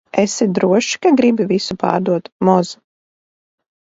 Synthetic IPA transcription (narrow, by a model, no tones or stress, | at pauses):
ɛsɛd̪ɾuɔʃi̥kaɡɾibivisupa̰ːɾd̪uɔt̪mɔz